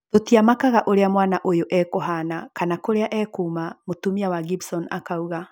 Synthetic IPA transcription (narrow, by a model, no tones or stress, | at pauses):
totiamakaɣaʔoɾeamwaːnaʔojoʔɛkoɦanakanakoɾeaʔɛkuːmamotumiawaɡibsɔna̰kauɣa